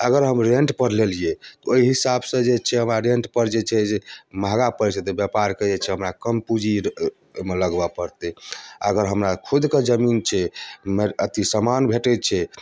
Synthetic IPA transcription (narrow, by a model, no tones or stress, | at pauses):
əɡəɾɦəmɾeɳʈpəɾlelijet̪ɔoiɦisabsə̃d͡ʒet͡ʃʰɛɦəmɾaɾeɳʈpəɾd͡ʒet͡ʃʰɛd͡ʒemʱaɡapəɾisəd̪bjəpaɾkəɛt͡ʃʰɛɦəmɾakəmpud͡ʒi | meləɡbapəɾt̪ɛəɡəɾɦəmɾakʰud̪ked͡ʒəmint͡ʃʰɛmeət̪isəmanbʱeʈɛt͡ʃʰɛ